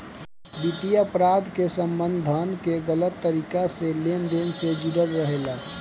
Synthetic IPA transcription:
bit̪iəpɾad̪ʱkesəmbənd̪d̪ʱənʱkeɡələt̪ːəɾikaselend̪ensed͡ʒiɽəɾːəɦela

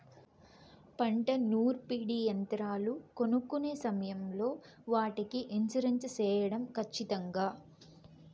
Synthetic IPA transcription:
pɐɳʈɐnuːɾpiːɽiːjɐnt̪ɾaːluko̞nukːune̞ːsɐmɐjɐmlo̞ː | ʋaːʈikiʔeɲt͡ʃɐɾɐɲt͡ʃɐt͡ʃɛːjɐɽɐmkʰɐt͡ʃːit̪ɐŋɡaː

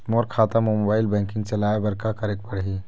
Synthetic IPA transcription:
moɾkʰaːt̪amombaːɪlbɛ̃ːŋkɪ̃ŋɡ̚t͡ʃɐlaːebɐɾkakɐɾeːk̚pɐɽɦi

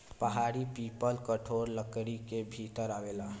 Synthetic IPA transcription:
pəɦaːɾipiːpəlkəʈʰoːɾləkɽikebʱit̪əɾaʋela

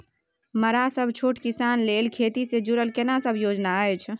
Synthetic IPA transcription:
məɾasəbʱt͡ʃʰoʈkisanlelkʰet̪ised͡ʒuɾəlkenasəbʱjod͡ʒnaəjt͡ʃʰ

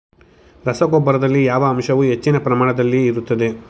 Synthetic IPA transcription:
ɾɐsɐɡɔbːɐɾɐd̪ɐlːijaːʋɐːmʃɐʋuɦe̞t͡ʃːinɐpɾɐmaːɳɐd̪ɐlːiːɾut̪ːɐd̪e̞

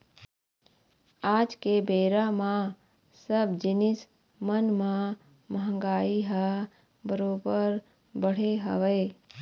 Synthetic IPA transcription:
aːd͡ʒkebeːɾamã | səbd͡ʒɪnɪs | mənmã | məɦə̃ŋɡaːiɦa | bəɾoːbəɾ | bəɽ̤eɦə̰ʋə

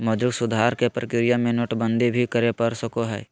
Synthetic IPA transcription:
mɐd͡ʒʊɡsʊd̪ʱaːɾkepɾəkɪɾijamẽnoʈbə̃nd̪ʱibʱikəɾepɐɾsəkoɦɛ̰ː

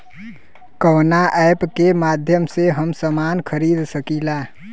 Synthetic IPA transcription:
kənaʔəjpkemad̪ʱjəmseɦəmsəmankʰəɾid̪səkila

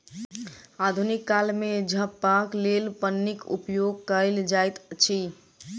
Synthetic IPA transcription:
ad̪ʱunikːalmed͡ʒʱəpːaklelpənːikṵpjoɡ̚kəld͡ʒajt̪t͡ʃʰi

